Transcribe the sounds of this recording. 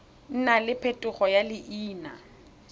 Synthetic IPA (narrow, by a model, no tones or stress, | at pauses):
n̩nalɪpʰetʼʊχɔjalɪʔiːna̰